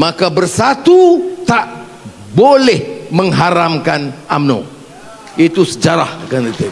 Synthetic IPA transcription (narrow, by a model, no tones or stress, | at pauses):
makabərsat̪ut̪aʔ | bolɛhmə̃ŋɦaɾamkanamno̰ | it̪usəd͡ʒaɾahkanət̪i